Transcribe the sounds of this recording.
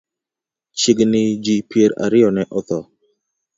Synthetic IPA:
t͡ʃiɡnɪd͡ʒipjeɾa̰ɾɪjɔnɛʔɔt̪ɔ

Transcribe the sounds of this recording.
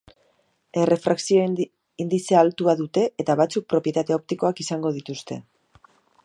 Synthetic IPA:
e̞re̞fɾaksio̞ | ind̪isealt̪uaðut̪e̞ːt̪aβat͡suk̚pɾo̞pje̞t̪at̪eo̞p̚t̪iko̞akisaŋɡo̞ð̞it̪ust̪e̞̰

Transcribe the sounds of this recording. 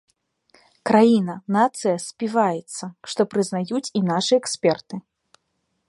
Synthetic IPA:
kɾajinɐnat̪sɨjɐsʲpʲivajɛt̪sːɐʂt̪ɔpɾɨznajut͡sʲinaʂɨɛksʲpʲɛrt̪ɨ

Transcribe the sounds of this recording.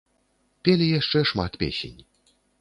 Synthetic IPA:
pʲelʲijaʂt͡ʂɛʂmat̪pʲḛsʲḛnʲ

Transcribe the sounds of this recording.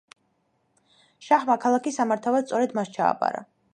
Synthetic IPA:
ʃaχmakʰalˠakisːamaɾt̪ʰavasst̪sʼɔɾɛd̪mast͡ʃʰa̰ːbʼa̰ɾa̰

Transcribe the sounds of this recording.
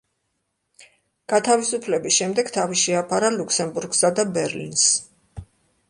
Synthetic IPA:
ɡ̥at̪ʰavisupʰlɛbisʃɛmd̪ɛɡ̥t̪ʰaviʃɛapʰaɾaluksɛmbuɾɡsad̪abɛɾlḭns

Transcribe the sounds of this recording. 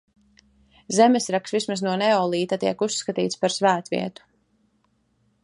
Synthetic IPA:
zɛmɛsɾaksvismaznuɔnɛɔːlˠiːt̪at̪iɛkusːkat̪ḭːt̪spaɾsvæːt̪vḭɛt̪u̥

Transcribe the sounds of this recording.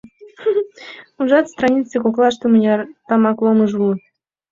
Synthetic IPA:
uʒɑt̪st̪rɑnʲit͡səkoklˠɑʃt̪omənʲɑt̪ɑmɑklˠoməʒulˠt̪

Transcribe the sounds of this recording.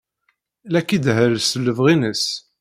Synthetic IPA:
lækːid̪ɦəlsəlːəvʁinəs

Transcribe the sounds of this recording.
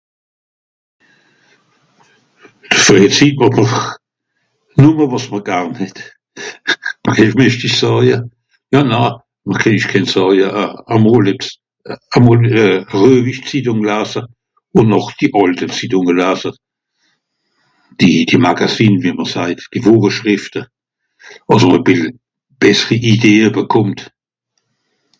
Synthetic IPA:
d̥əsfʁit͡siːpvɑmə | numəvɑsməʁɡ̥aʁnhɛt | mɛmɛʃtiʃsɑːjə | jɑːnaː | məkʰɛniʃkʰɛnsɑːjəʔamolɛs | amolʁøːviʃt͡sidʊŋlaːsə | ʊnnɔχd̥iʔɔltət͡sidʊŋəlaːsə | d̥id̥imaɡasiːnviməsaɪtd̥ivoːʁəʃʁɪftə | ɑsəməbɪl | b̥ɛsəʁiʔideːəbəkʰʊmt

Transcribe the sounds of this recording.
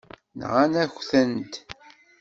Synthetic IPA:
nʁanæçθənt̪

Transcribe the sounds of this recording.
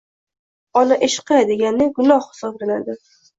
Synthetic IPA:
ɒnaʔeʃɪ̥qad̪eɡʲanːɪɡʊnɒhhɪ̥sɒblanad̪ɪ

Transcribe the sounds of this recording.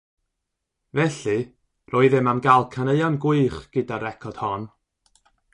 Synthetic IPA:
vɛɬɨ | rʔɔɨðɪmamɡalˠkʰanəɨanɡʊɨχɡ̥ɨdaɾɛkʰɔd̥hɔn

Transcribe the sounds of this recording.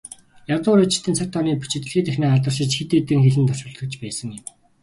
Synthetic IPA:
jawt̪ʊːɾet͡ɕɪ̥̆t̪ʰɘ̆nt͡sʰak̚ʲt̪ʰɔniːpu̥t͡ɕɪ̆t̪ɘ̆ɮxiːt̪æxnaːaɮt̪ə̆rʃɪ̆t͡ɕxet̪eːt̪ɘ̆ŋxeɮɘ̆nt̪ʰɔʃʊ̆ɬt̪ə̆k̚t͡ɕpæːsə̆ŋɪw

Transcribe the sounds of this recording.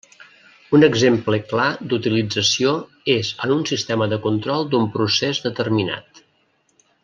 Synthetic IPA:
unəɡzempləklad̪ut̪ilid͡zəsio | ezənunsist̪ɛməðəkunt̪ɾɔlˠd̪umpɾusezðət̪ərmina̰t̪

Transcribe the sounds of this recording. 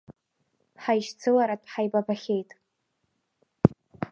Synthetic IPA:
ħajʃt͡sʰɨlaɾatʷʰʼħajbabaχʲe̞jtʼ

